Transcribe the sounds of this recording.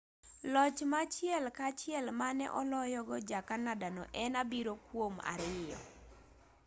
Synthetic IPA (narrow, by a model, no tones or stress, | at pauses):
lɔt͡ʃmat͡ʃiɛlkat͡ʃɪɛlmanɛ̰ʔɔlɔjɔɡɔd͡ʒakanadanɔ̰ʔɛnabiɾokwoma̰ɾɪjɔ̰